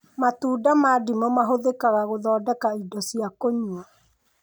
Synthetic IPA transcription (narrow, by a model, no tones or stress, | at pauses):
matuːdamadimɔmaɦoðekaɣaɣoðɔːdɛkaidɔsiakoɲua